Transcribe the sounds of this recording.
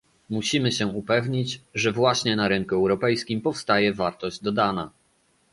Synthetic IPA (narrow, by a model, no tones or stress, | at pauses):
muɕimɘɕɛupɛvɲit͡ɕʐɛvwaɕɲɛnaɾɘŋkuɛwɾɔpɛjskʲimpɔfst̪ajɛvaɾt̪ɔʑd͡ʑd̪ɔd̪ana